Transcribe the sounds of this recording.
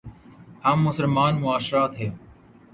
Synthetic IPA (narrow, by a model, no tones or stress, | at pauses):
haːmːʊsəlmaːnmʊaːʃɾaːt̪ɦeː